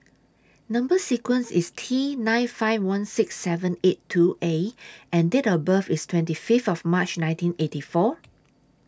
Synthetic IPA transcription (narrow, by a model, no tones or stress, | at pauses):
nʌ̃mbəsikwə̃nsistʰinãɪ̃nfaɪvwãnsɪksːɛvə̃nettʰːuʔeʔɛ̃ndetəbəfistʰwɛ̃ntififtɔfmat͡ʃnãɪ̃ntĩnetifɔ